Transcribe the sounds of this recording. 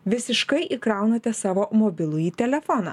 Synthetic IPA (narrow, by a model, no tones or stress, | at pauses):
ʋʲɪsʲɪʃkɐɪʔikɾɐˑʊnɐt̪ʲɛsɑːʋoːmoːbʲɪlˠʊjiːt̪ʲɛlʲɛfɔnɑ̰